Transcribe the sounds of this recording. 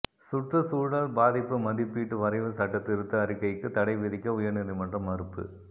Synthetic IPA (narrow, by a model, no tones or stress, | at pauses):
sʊʈrɐsuːɽɐlbaːðɪpːɯmɐðɪpːiːʈːɯʋɐɾɐɪʋɯsɐʈːɐt̪ːɪɾɯt̪ːɐɐɾɯkːɐɪkːɯt̪ɐɽɐɪʋɪðɪkːɐʊjɐɾnɪnɪmɐɳdrɐmːɐɾɯpːɯ̰